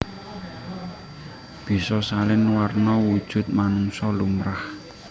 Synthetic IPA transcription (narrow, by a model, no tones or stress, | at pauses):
b̥i̤sɔsalɪnwarnɔwud̥ʒ̥ʊ̤t̪̚manuŋsɔlumɾah